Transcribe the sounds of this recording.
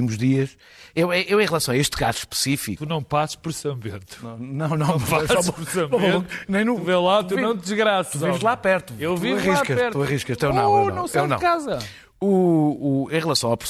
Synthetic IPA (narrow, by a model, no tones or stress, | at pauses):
imuʒðiɐʃ | ewɛʔewẽj̃ʁlˠɐsɐ̃w̃ɐeʃt̪ka̰zʃpɨ̥sifik̪unɐ̃w̃pasɨ̥ʃpɔɾsɐ̃mbẽnt̪u̥nɐ̃w̃nɐ̃w̃nɐ̃w̃aɔɔɾsɐ̃mẽt̪nɐ̃j̃nuuvelˠat̪uɐ̃w̃t̪d̪ɨʒɣɾasɐuĩʒlˠapɛɾt̪uewviɐʁiʃkɐʃɛɾt̪uɐʁiʃkɐʃt̪ewnɐ̃w̪̃ɐ̃w̃st̪ɐ̃ewnɐ̰̃kazɐ | uː | ẽj̃ʁɨlˠɐsɐ̃w̃apɾ̥s